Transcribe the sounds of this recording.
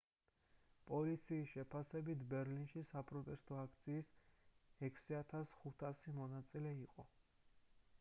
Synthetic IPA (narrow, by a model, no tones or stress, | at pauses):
pʼɔlit̪sʰiːsʃɛpʰasɛbit̪ʰbɛɾlinʃisapʼɾɔt̪ʼɛst̪ʼɔakʰt̪sʰiːs | ɛkʰsiat̪ʰasχut̪ʰasimɔnat̪sʼilɛiqʼɔ